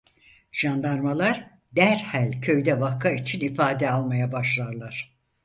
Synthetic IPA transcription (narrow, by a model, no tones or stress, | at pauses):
ʒ̥and̪aɾmalˠaɾ | d̪æɾhælʲcʰø̞jd̪ɛvakʰːait͡ʃʰinifaːd̪ɛalˠmajabaʃlˠaɾlˠaɾ̥